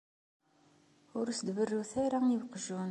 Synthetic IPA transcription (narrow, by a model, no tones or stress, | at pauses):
ʊɾsəd̪vərːuθaɾaivqʒun